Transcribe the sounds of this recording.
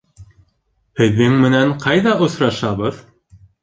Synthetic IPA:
hɘ̆ðːɘŋmɘ̆næɴqʰɑjðɑʔŏsɾɑʃɑβɤð

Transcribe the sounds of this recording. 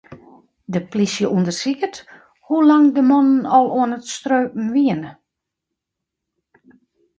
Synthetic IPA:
dəplisjəʔundərsikət | hulaŋdəmɔnənɔlˠoənətstrøːpm̩n̩ʋiənə

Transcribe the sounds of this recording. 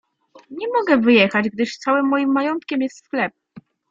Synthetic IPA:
ɲɛmɔɡɛvɘjɛxad͡ʑɡ̚d̪ɘʂt̪sawɘmːɔjimːajɔnt̪kʲɛmjɛst̪sxlɛp̚

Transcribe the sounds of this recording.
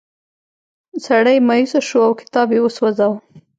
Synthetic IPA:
saɽəjmaisaʃoawkɪ̥t̪ɑbjewəswazaw

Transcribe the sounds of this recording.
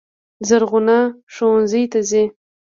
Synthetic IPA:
zaɾɣʊnaʂowanzəjt̪aze

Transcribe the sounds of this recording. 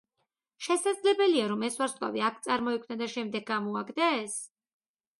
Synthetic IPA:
ʃɛsad̪zlɛbɛliaɾɔmɛswaɾsqʼkʼa̰viakʰt̪sʼaɾmɔikʰvnad̪aʃɛmd̪ɛɡ̚amɔaɡd̪aːs

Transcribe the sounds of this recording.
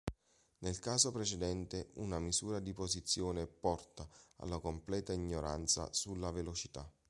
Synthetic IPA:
nelkaːzopɾet͡ʃed̪ɛnt̪eunamizuːɾad̪ipozit̪sːjoːnepɔrt̪aa̰lːakomplɛːt̪aiɲːoɾa̰nt̪sa̰sulːavelot͡ʃit̪a̰

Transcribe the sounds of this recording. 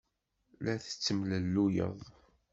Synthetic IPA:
læθə̥t͡sːəmləlːujə̰ðˤ

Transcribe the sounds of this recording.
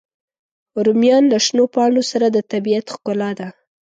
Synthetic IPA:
ɾʊmjɑnlaʃnopɑɳosaɾad̪ət̪abijat̪xkʊlɑd̪a

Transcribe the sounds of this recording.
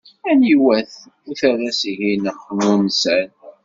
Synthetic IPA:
æniwæθ | ʊθærːæsiʝinəχnunsæn

